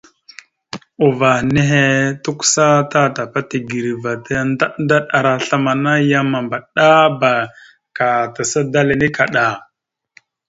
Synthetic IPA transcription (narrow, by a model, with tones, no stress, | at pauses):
u˨va˨ne˦ɦe˦tu˦ksa˦ta˦ta˨pa˦ti˨ɡi˨ɾi˨va˨ta˦nda˦nda˦ɗa˨ɾa˨ɬa˦ma˨na˦ja˦ma˨mba˨ɗa˦ba˨ | ka˨ta˨sa˦da˦le˨ni˦ka˨ɗa˨